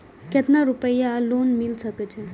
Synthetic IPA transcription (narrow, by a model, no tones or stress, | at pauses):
ket̪naɾupəjalonmilsəkɛt͡ʃʰɛ